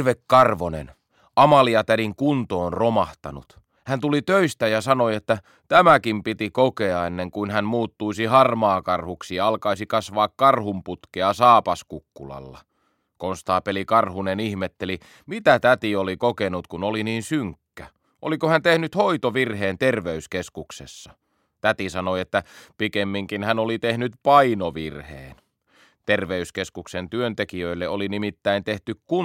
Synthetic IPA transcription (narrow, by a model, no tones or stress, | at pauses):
ʋekːɑrʋonḛn | ɑmɑliɑt̪æɾiŋkunt̪oːnromɑht̪ɑ̰nṵt̪ | hænt̪ulit̪øist̪æjɑsɑnoiet̪ːæ | t̪æmækimpit̪ikokeɑenːeŋkuinhænmuːt̪ːuisihɑrmɑːkɑrhuksijɑɑlkɑisikɑsʋɑːkkɑrhumput̪keɑsɑːpɑskukːulɑ̰lːɑ̰ | konst̪ɑːpelikɑrhunenihmet̪ːeli | mit̪æt̪æt̪iolikokenut̪kunoliniːnsyŋkːæ | ʔolikohænt̪ehnyt̪hoit̪oʋirheːnt̪erʋeyskeskuksesːɑ | t̪æt̪isɑnoiet̪ːæpikemːiŋkinhænolit̪ehnyt̪pɑinoʋirhḛːn | t̪erʋeyskeskuksent̪yønt̪ekiøilːeolinimit̪ːæint̪eht̪ykku